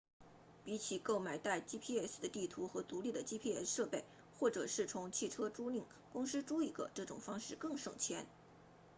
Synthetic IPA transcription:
pi˧˥t͡ɕʰi˨˩ko˥˩ʊma˨˩ɪt̪a˥˩ɪt͡ɕi˥pʰi˥˧ɛ˥˩sd̪ə˦t̪i˥˩t̪ʰu˧˥xɤ˧˥t̪u˧˥li˥˩d̪ə˩t͡ɕi˥pʰi˥˧ɛ˥˩sʂɤ˥˧pe˥˩ɪ | xwɔ˥˩ʈ͡ʂɤ˨˩ʂɻ̩˥˩t͡sʰʊ˧˥ŋt͡ɕʰi˥˩ʈ͡ʂʰɤ˥ʈ͡ʂu˥li˥˩ŋ | kʊ˥ŋʂɻ̩˥ʈ͡ʂu˥i˨˩ɡə̰˧˦ʈ͡ʂɤ˥˩ʈ͡ʂʊ̰˨˩ŋfɑ˥ŋʂɻ̩˥˧kɤ˥˧ŋʂɤ˨˩ŋt͡ɕʰjɛ˧˥n

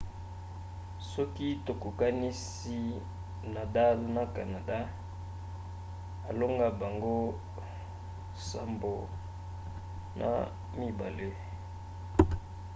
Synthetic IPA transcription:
sɔ˦ki˦to˨ku˨ka˦ni˦s | i˦ | na˨da˦lna˨ka˨na˨da˦ | a˨lo˦ŋɡa˦ba˨ŋɡo˦ | sa˨mbo˨ | nʔa̰˨ | mi˦ba̰˨le˦

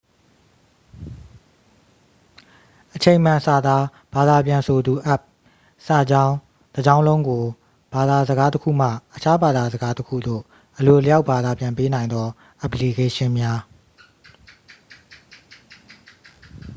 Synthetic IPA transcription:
ʔət͡ɕʰẽ˨ɪ̃m̥ã˨sa˨d̪a˦ | b̥a˨d̪a˨pjã˨nsʰo˨d̪u˨ʔa˦˨p̚ | sa˨d͡ʑã˦ʊ̃ | d̥ə˨d͡ʑã˦ʊ̃lõ˦ʊ̃ŋɡo˨ | b̥a˨d̪a˨zəɡa˦təkʰṵ˦˨m̥ä̰˦˨ʔət͡ɕʰa˦ba˨d̪a˨zə˨ɡa˦təkʰṵ˦˨d̪o̰˦˨ | ʔəlo˨lə˨ja˦ʊʔba˨d̪a˨pjã˨mpe˦nã˨ɪ̃nd̪ɔ˦ | ʔə˨pli˨ke˦ʃɪ̃˦mja˦

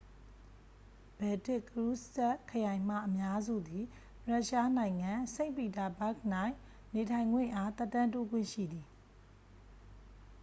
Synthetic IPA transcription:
b̥ɛ˨tɪ˦˨ʔkəɹu˦sɛ˦ʔkʰːəjã˨ɪ̃m̥a̰˦˨ʔəmja˦zṵ˦˨d̪i˨ | pɹa˦ʔʃa˦nã˨ɪ̃ŋã˨sẽ˦˨ɪ̃mpi˨ta˨ba˦˨k̚n̥ã˦˨ɪ̃ | ne˨tʰã˨ɪ̃ŋɡwɪ̰̃˦˨ʔa˦t̪ɛ˦˨tːã˦nto˦ɡwɪ̰̃˦˨ʃḭ˦˨d̪i˨

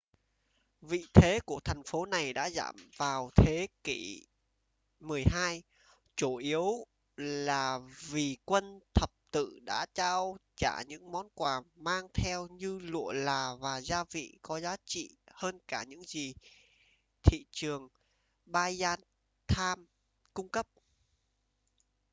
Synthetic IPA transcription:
vḭ˧˨t̪ʰe˨˦ku˧˩ət̪ʰɛ˨˩ŋ̟fo˨˦na˨˩jɗa̰ː˧˥za̰ː˧˩mvaː˨˩wt̪ʰe˨˦ki˧˩ | mɨ˨˩əjɦaː˧j | t͡ɕo˧˩ʔi˨˦əw | laː˨˩vi˨˩kwə˧nt̪ʰə˨˩p̚t̪ɨ̰˧˨ɗa̰ː˧˥t͡ɕaː˧wt͡ɕaː˧˩ɲɨ̰˧˥ŋmɔ˨˦nkwaː˨˩maː˧ŋt̪ʰɛ˧wɲɨ˧lṵ˧˨əlaː˨˩vaː˨˩zaː˧vḭ˧˨kɔ˨˦zaː˨˦t͡ɕḭ˧˨həː˧nkaː˧˩ɲɨ̰˧˥ŋzi˨˩ | t̪ʰḭ˧˨t͡ɕɨ˨˩əŋ | ɓaː˧jzaː˧n | t̪ʰaː˧m | kʊ˧ŋ͡mkə˦˥p̚

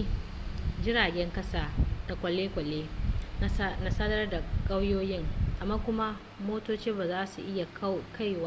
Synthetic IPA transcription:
d͡ʒɪ˦ɽaː˨ɡʲɛ˦ŋkɐ˦saː˨da˨kʷʼɐ˨leː˦kʷʼɐ˨leː˦ | na˦saː˦dɐ˦rda˨kʼa˦wjoː˦jɪ˦ŋʔa˨maː˦kʷʊ˦ma˦ | moː˦toː˦t͡ʃiː˦baː˨zaː˦su˨ʔɪ˦ja˨kʰa˦jwaː˦

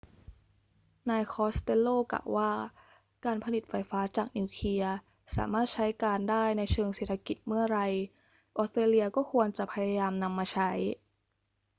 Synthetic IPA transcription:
naː˧jkʰɔː˦˥st̪e˧lːoː˥˩kla̰ː˨˩wːaː˥˩ | kaː˧npʰa˧ni˨˩t̪̚fa˧˥jfaː˦˥t͡ɕaː˨˩k̚niː˧wkʰi˧ɐ | sa̰ː˩˦maː˥˩t̪̚t͡ɕʰa˦˥jkaː˧ndaː˥˩jna˧jt͡ɕʰɤː˧ŋse˨˩t̪ʰːa˧ki˨˩t̪̚mɯ˥˩ɐɾa˧j | ʔɔː˦˥st̪ɾeː˧li˧ɐkɔː˥˩kʰu˧ənt͡ɕa˨˩pʰa˧ja˧jaː˧mna˧mːaː˧t͡ɕʰa˦˥j

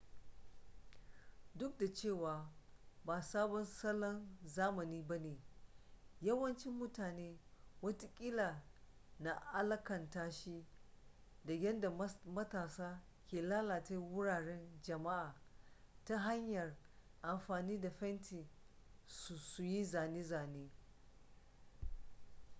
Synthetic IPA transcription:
dʊ˦k̚da˨t͡ʃeː˦˨waː˨baː˨saː˦bɔ˦nsɐ˦lɔ˦nzaː˦mɐ˨niː˦ba˦neː˨ | jɐ˦wɐ˦nt͡ʃɪ˦mːʊ˦taː˨neː˦wɐ˦tu˦kʲʼɪ˦laː˨ | na˨ʔa˦lɐ˦kɐ˨ntaː˦ʃi˦ | dɐ˨ɡʲɛ˦nda˨mɐ˦taː˨saː˦ | kʲeː˨laː˦laː˨ta˦wʊ˦ɽaː˨ɽɛ˦nd͡ʒɐ˨ma˦ʔaː˨ta˦ɦa˦ɲjɐ˨r | ʔa˨mɸaː˨niː˦da˨ɸɛ˦ntʰiː˨ | su˨su˨ji˦zaː˨neː˦zaː˨neː˦

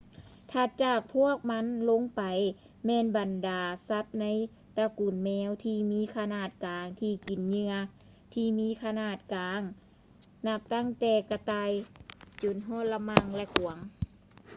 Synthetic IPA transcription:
t̪ʰa˧˩t͡ɕaː˨˩k̚pʰu˥˩ək̚ma˧˥nlo˧˥˨ŋpa˨˩j | mɛː˧nba˨ndaː˨˩sa˧˥t̪̚na˧˥j | t̪a˧ku˨˩nmɛː˧˥wt̪ʰiː˧miː˧˥˨kʰa˧naː˧˩t̪̚kaː˨˩ŋt̪ʰiː˧˩ki˨˩nɲɯ˧ɐ | t̪ʰiː˧miː˧˥kʰa˧naː˧˩t̪̚kaː˨˦ŋ | na˧˩p̚t̪a˧˥˨ŋt̪ɛː˧˩ka˧t̪aː˧˨jt͡ɕo˨˩nɦɔː˧˥˨t̪̚la˧ma˧ŋlɛ˧˩ku˨˩ɐŋ

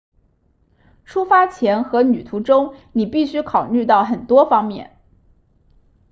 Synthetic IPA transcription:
ʈ͡ʂʰu˥fa˥t͡ɕʰjɛ˧˥nxɤ˧˥ny˨˩t̪ʰu˧˥ʈ͡ʂʊ˥ŋni˨˩pi˥˩ɕy˥kʰɑ˨˩ʊly˥˧t̪ɑ˥˩ʊxə˨˩nt̪wɔ˥fɑ˥ŋmjɛ̰˥˩n

